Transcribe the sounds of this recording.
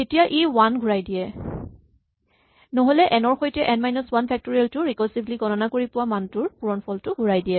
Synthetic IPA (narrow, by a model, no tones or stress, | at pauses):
etijaʔewanɡʱuɹajdijɛ | nɔɦolɛʔɛnɔɹxojtɛʔɛnmajnɔswanpʰɛk̚tɔɹialtʊɹikɔsibliɡɔnɔnakoɹipʊwamantʊɹpuɹɔnpʰɔltʊɡʱuɹajdijɛ